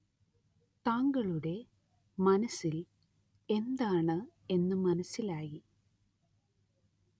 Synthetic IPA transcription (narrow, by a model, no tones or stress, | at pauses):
t̪aːŋɡɐɭuɽe̞ | mɐnɐsil | e̞nd̪aːɳɨe̞nːɨmɐnɐsːilaːji